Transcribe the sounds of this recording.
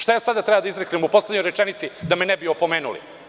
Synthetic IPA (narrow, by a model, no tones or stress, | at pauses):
ʃt̪ajaːsad̪at̪ɾebad̪aizɾeklimupo̞sledɲojɾet͡ʃenit̪sid̪amenebiopo̞meːnṵlḭ